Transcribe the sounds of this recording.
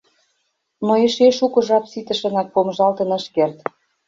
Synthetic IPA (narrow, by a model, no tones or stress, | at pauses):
noeʃeʃukɤ̆ʒɑpsit̪ə̆ʃə̆nɑk̚pomʒɑlt̪ə̆nə̆ʃkert̪